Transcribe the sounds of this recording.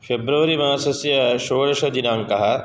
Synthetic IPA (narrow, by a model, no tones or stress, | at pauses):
fʰebɾɐʋɐɾimɐɦasɐsjɐʃoːɽɐʃɐd͡ʒinaːŋkɐɦɐ